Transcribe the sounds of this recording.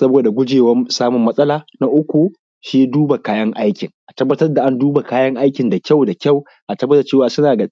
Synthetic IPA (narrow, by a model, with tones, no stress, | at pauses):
sɐ˦boː˨da˨ɡʷʊ˦d͡ʒeː˨wɐ˦msaː˦mʊ˨mːɐ˦sʼɐ˦laː˨na˦ʔʊ˦kʷu˨ | ʃi˦jduː˦ba˨kaː˦jɐ˦ŋʔa˦jkʲɪ˨ŋʔa˨tɐ˦bːɐ˦tɐ˦rda˨ʔa˦nduː˦ba˨kaː˦jɐ˦ŋʔa˦jkʲɪ˨nda˨kʲa˦˨wda˨kʲa˦˨w | ʔa˨tɐ˦bːɐ˦da˨t͡ʃeː˦waː˨sʊ˦naː˨ɡa˨